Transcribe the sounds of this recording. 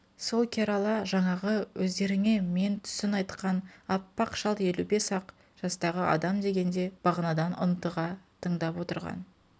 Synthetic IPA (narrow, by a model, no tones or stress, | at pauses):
so̞lˠkʲʰeɾalˠɑʒɑɴɑʁəwɵzd̪e̞ɾɪŋe̞me̞nt̪ʰʏ̥sɪnɑjt̪qɑnɑpːɑqʃɑlˠt̪je̞lube̞sɑq | ʒ̥ɑst̪ɑʁəɑ̰d̪ɑmd̪e̞ɡʲe̞nd̪e̞b̥ɑʁənɑd̪ɑnʊ̰nt̪əʁɑt̪ʰəɴd̪ɑpwo̞t̪əɾʁɑ̰n